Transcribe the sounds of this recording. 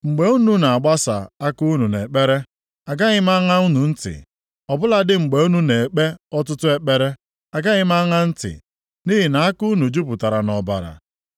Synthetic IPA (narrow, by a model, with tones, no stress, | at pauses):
ŋ͡m̩˨ɡ͡be˨u˦nu˦na˨a˨ɡ͡ba˦sa̰˨a˦ku˦nu˨ne˨k͡pe˦ɾe˦ | a˨ɡa˦ɣɪ˦ma˦ŋa˦u˦nu˨n̩˦tɪ̰˨ | ɔ˨bʊ˦la˦dɪ˦ŋ͡m̩˨ɡ͡be˨u˦nu˦ne˨e˨k͡pe˦ɔ˦tʊ˦tʊ˦e˦k͡pe˦ɾe˦ | a˨ɡa˦ɣɪ˦ma˦ŋa˦n̩˦tɪ̰˨ | ni˦ɦi˨na˨a˦ku˦nu˨d͡ʒu˦pʊ˨ta˨ɾa˨nɔ˨ba̰˨ɾa̰˨